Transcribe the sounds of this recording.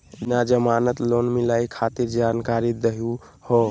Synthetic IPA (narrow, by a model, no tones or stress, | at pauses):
nad͡ʒəmanət̪lonmilaikʰat̪iɾd͡ʒankaɾid̪əɦiu | hɔ